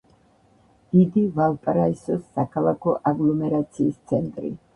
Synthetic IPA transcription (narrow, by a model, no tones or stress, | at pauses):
d̪̥id̪ivalˠpʼɾaisɔsːakʰalˠakʰɔʔaɡlˠɔmɛɾat̪sʰiːst̪sʰɛnt̪ʼɾḭ